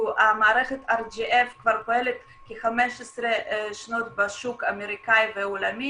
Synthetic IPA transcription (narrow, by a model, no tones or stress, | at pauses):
ʔamaːɾɛχet̪aɾd͡ʒiʔefkvaɾkoelet̪ | keχamɛʃesɾeʃnot̪baʃukameɾikajveolami